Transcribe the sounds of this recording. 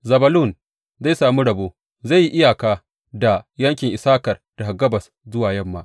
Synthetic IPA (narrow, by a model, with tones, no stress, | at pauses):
zɐ˨bɐ˦lu˦˨n | za˦˨jsaː˨mi˦ɽɐ˨boː˦ | za˦˨ji˦ʔɪ˦jaː˨kaː˦ | da˨jɐ˦ŋkʲɪ˨ŋʔɪ˨saː˦kɐ˨rd̥a˨ha˨ɡɐ˦bɐ˨s | zʊ˦waː˨jɐ˦˨mːa̰ː˦˨ʔ